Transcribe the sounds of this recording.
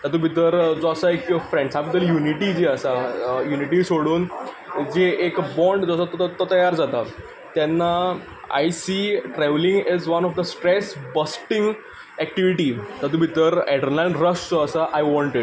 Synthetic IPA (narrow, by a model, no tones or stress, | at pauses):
t̪ad̪ubʱit̪əɾd͡zoəsaekːfɾẽɳɖsabd̪əɾjuniʈid͡ʑeəsajuniʈisoɽuːn | d͡ʑeʔekbɔ̃ɳɖd͡zosat̪t̪t̪ɔt̪əjaɾd͡zat̪a | t̪ɛ̃nːa | a̰jsiʈɾɛʋlĩŋɡɛzʋənɔfd̪əsʈɾesbəsʈĩŋɡ | ɛk̚ʈiʋiʈit̪ad̪uːbʱit̪əɾɛʈəɾnalɾəsd͡zoəsaʔajʋɔ̃ɳʈiʈ̚